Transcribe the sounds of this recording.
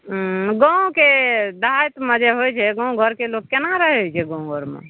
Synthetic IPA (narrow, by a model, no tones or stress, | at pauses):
ɡə̃ũked̪ɦajt̪məd͡ʒɛɦojt͡ʃʰɛɡə̃ũɡʱəɾkeloɡ̚kenaɾəɦɛɦojt͡ʃʰɛɡə̃ũɡoɾmḛ